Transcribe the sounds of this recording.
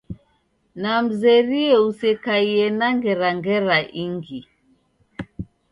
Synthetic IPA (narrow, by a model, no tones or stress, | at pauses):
nam̩zɛɾiɛusɛkaiɛnaŋɡɛɾaŋɡɛɾaʔiŋɡi